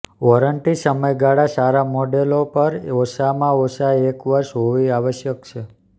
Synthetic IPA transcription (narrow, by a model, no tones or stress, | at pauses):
ʋɔɾəɳʈisəməjɡaɽasaɾamoɖelopəɾosamãosaekʋəɾʃɦoʋiaʋəʃjək̚t͡ʃʰe